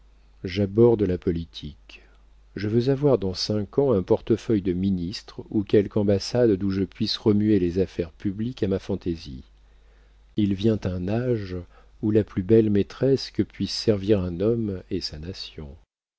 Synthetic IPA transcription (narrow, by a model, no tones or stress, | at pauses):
ʒabɔʁd̪lapɔlit̪ʰik | ʒəvøzavwaʁd̪ɑ̃sɛ̃kɑ̃ɛ̃pɔʁt̪əfœjd̪əminist̪χukʲɛlkɑ̃basad̪ːũʒəpɥisʁəmyelezafɛʁpyblikamafɑ̃t̪ezḭ | ilvjɛ̃t̪ɛ̃naʒ | ulaplybɛlmet̪χɛskəpɥisːɛʁviʁɛ̃nɔmesanasjɔ̰̃